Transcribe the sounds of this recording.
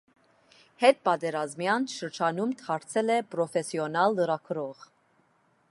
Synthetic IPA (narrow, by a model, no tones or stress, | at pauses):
hɛt̪̚pɑt̪ɛɾɑzmjɑnʃəɾd͡ʒɑnumt̪ʰɑɾt͡sʰɛlɛpɾɔfɛsiɔnɑlːəɾɑkʰəɾɔʁ